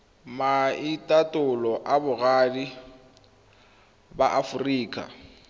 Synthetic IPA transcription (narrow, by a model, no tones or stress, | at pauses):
maitʼatʼʊlɔʔabʊɣaːdi | baʔafʊriːkʼa̰